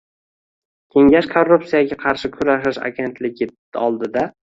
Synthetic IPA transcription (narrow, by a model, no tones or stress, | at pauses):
kʲʰe̞ŋɡʲaʃkʰorːupsijaɡʲaqʰɑɾʃɪkʰʊɾaʃɪʃa̰ɡʲe̞nt̪ʰlɪɡʲɪ | ɒlˠd̪ɪd̪a